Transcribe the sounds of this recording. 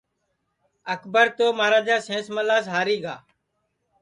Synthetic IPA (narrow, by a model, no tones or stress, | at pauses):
əkʰbəɾt̪oːmaːɾaːd͡ʒaːsẽːsməlaːsɦaːɾiːɡa̰ː